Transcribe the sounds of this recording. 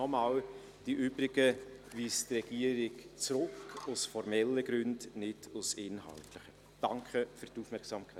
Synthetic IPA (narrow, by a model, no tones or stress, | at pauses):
ɔmɑːl | d̥iʔʏːbɾɪɡ̥əviːstrɛɡ̥iəɾɪɡt͡sɾʊkʊsfɔɾmɛlːəɡ̥ɾʉndnɪd̥ʊsɪnhɑ̰ltlɪχə | d̥ɑŋkχəfyɾtufmɛksɑːmkʰa